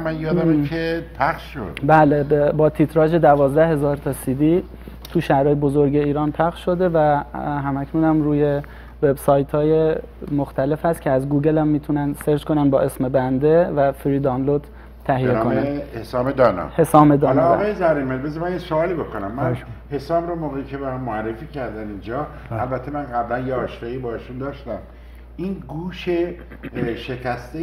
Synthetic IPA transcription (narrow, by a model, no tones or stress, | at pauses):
mænjɒːd̪æmekʰepʰæχʃʃo̰d̪̥bæːlebebɒːt̪ʰit̪ʰɾɒːd͡ʒe̞d̪ævɒːzd̪æhe̞zɒːɾt̪ʰɒːsiːd̪iː | t̪ʰuʃæhɾɒːjebozoɾɟe̞iːɾɒːnpʰæχʃʃo̞d̪e̞væɦæmæcʰnuːnæmɾuːje̞ | ve̞bsɒːjt̪ʰhɒːje̞ | moxt̪æle̞fhæst̪̚cʰeæzɡuːɡe̞læmːiːt̪ʰunænseɾd͡ʒko̞nænbɒːʔe̞sme̞bænd̪evæfɾiːd̪ɒːnlod̪̥ʰː | æɦijenːkomnæhesɒːmed̪ɒːnɒ̰ːhe̞sɒːmed̪ɒlɒːɒːjezæɾinmelbezɾmænesoɒːlibo̞kʰonæmːæhesɒːmɾɒmoːɣeicʰebæɾmmːoærːefiːcʰæɾd̪ænind͡ʒɒː | ælbæt̪ʰːemænɣæblænjeɒːʃɾɑibɒːheʃund̪ɒːʃt̪æm | ʔinɡuːʃe | ʃecʰæst̪e